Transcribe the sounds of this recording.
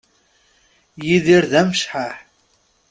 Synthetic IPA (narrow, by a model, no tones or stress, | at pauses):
jiðiɾðæmʃħaħ